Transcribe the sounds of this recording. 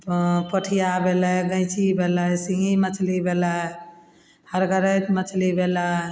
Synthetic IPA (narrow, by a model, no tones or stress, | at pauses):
pəʈʰijabelaɡə̃jt͡ʃʰibʱelasĩŋʱimət͡ʃʰlibela | həɾɡəɾət̪mət͡ʃʰlibela